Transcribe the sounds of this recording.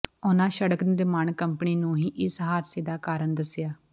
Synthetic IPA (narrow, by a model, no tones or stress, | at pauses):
ʊnãːʃəɽəknɪɾɪmaːɳkəmpəniːnũːɦiːʔɪsɦaːɾseːd̪aːkaːɾəɳd̪əsɪjaː